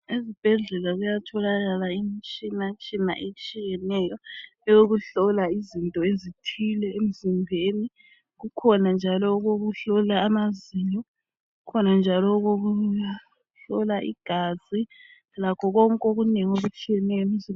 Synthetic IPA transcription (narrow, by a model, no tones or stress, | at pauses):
ezib̥ʱɛɮɛlaɣujatʰɔlaɣalaimit͡ʃʼinat͡ʃʼina̰ʔet͡ʃʼijɛnɛjɔ | ɛjoɣuɬɔlaizintʼɔezitʰilɛem̩zimbʱeːni | ɣukʰɔnand͡ʒʱalɔɣoɣuɬɔlaːmaziɲɔ | ɣukʰɔnand͡ʒʱalɔɣoɣu | ɬɔlaʔḭɡ̥ʱazi | lakʰɔɣɔŋkʼoɣuneŋoβut͡ʃʼijɛnɛjɔemizi